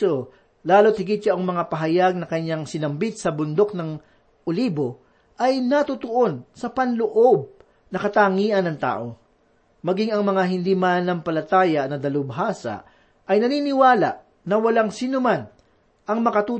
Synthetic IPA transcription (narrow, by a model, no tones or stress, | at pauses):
o | laːlo̞t̪̚hɪɡɪt̪̚ʃɐʔoŋmɐŋapɐɦɐjaɡ̚nɐkɐɲaŋsɪnɐmbit̪̚sɐbʊnd̪o̞k̚nɐŋ | ʔoliːbo̞ | ʔɐjnɐt̪ʊt̪oʔo̞nsɐpɐnloʔo̞b̚ | nɐkɐt̪aŋiːʔɐnːɐŋt̪a̰ːʔo̞ | mɐɡiŋɐŋmɐŋaɦɪnd̪imanɐmpɐlɐt̪aːjɐnɐd̪ɐlʊbɦaːsɐ̰ʔ | ʔɐjnɐniːnɪwaːlɐ̰ʔ | nɐwɐlaŋsinʊman | ʔɐŋmɐkɐt̪uː